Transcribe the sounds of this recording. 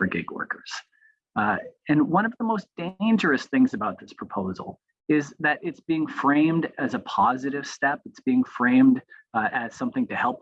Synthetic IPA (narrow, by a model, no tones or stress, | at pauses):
fə˞ɡɪ̰ɡwɜ̰˞kə˞z̥ | ɨ̃nwʌ̃ñʌvðəmoʊsd̥ẽɪ̃nd͡ʒə˞ɨsθɪ̃ŋzɨbaʊt̪̚ðɪspʰɹ̥əpʰoʊzl̩ˠ | ɪzðɨɾɪtsb̥iɪ̃ŋfɹẽɪ̃mdɨzəpʰɑzɨɾɨv̥stɛpɨtsb̥iɪ̃ŋfɹẽɪ̃mdɨz̥sʌ̃mθɪ̃ŋtʰɨhɛlˠp̚